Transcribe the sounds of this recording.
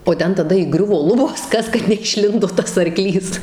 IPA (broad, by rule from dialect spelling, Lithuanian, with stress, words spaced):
oː ˈtʲɛn tɐˈdɐ iːˈɡrʲʊʋoː ˈlˠʊboːs ˈkɐs kɐt nʲɛɪʃʲˈlʲɪndoː ˈtɐs ɐrˈklʲiːs